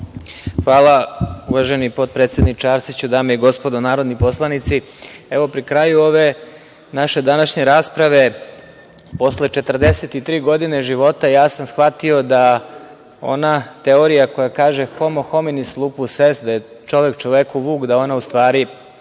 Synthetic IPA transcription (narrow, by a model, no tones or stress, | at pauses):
xʋaːlˠauʋaʒenipo̞t̪̚pɾet̪sje̞d̪nikt͡ʃaːɾsit͡ɕud̪aːmejeɡo̞spo̞d̪onaːɾod̪nipo̞slˠanit̪si | eʋo̞pɾikɾajuo̞ʋe̞ | naʃe̞d̪anaʃɲe̞ɾaːspɾaʋe̞ | po̞sle̞t͡ʃe̞t̪r̩d̪eset̪it̪ɾiːɡo̞d̪ine̞ʒiʋo̞t̪ajaːsamsxʋat̪io̞d̪a | o̞̰nat̪e̞oɾijako̞jakaːʒexomoxo̞minislˠupusesd̪aje | t͡ʃo̞ʋe̞kt͡ʃoʋekuʋuːkd̪ao̞naust̪ʋaːɾi